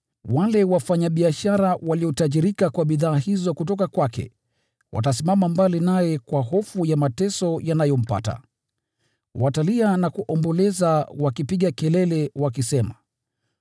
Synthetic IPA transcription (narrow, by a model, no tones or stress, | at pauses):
walɛwafaɲaɓiaʃaɾawaliɔtaʄiɾikakwaɓiðaːhizɔkutɔkakwakɛ̰ | wʔa̰tasimamambalinajɛkwaɦɔfujamatɛsɔjanajɔm̩pa̰ta̰ | watalianakuʔɔmbɔlɛzawakipiɠakɛlɛlɛwakisɛma